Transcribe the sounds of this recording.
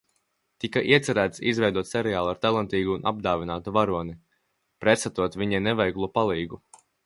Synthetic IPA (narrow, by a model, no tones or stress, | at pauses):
t̪ikaʔiɛt̪sɛɾæːt̪sizvɛjd̪uɔt̪sɛɾɛjaːlˠuaɾt̪alˠant̪iːɡuːnʔa̰b̚d̪aːvinaːt̪uvaɾuɔni | pɾɛt̪sat̪uɔt̪vʲiɲɛnɛvɛjɡlˠupalˠiːɡu